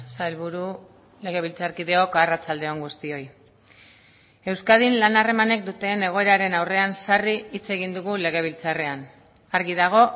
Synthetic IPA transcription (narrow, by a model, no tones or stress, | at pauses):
salβuɾu | le̞ɣ̞e̞βilt͡saɾkiðe̞o̞karat͡sald̪e̞o̞ŋɡust̪io̞j | e̞wskaðinlanare̞mane̞k̚d̪ut̪e̞ne̞ɣ̞o̞e̞ɾaɾe̞nawre̞ansariit͡se̞ɣind̪uɣule̞ɣ̞e̞β̞ilt͡sare̞an | aɾɣið̞aɣ̞o̞